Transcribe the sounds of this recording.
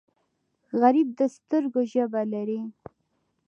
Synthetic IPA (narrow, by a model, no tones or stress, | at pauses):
ɣaɾib̚d̪əst̪əɾɡoʒəbalaɾi